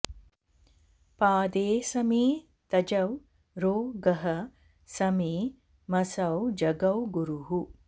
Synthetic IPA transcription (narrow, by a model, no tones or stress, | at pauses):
paːd̪eːsɐmiː | t̪ɐd͡ʒɐw | ɾoːɡɐɦɐ | sɐmi | mɐsɐwd͡ʒɐɡɐwɡuɾuɦu